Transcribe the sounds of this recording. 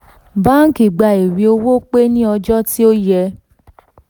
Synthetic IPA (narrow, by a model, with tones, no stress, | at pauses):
bã˦ki˨ɡ͡ba˨i˨ɾi˨˧o˧wo˦k͡pe˦nĩ˦ɔ˧d͡ʒɔ˦ti˦o˦jɛ˧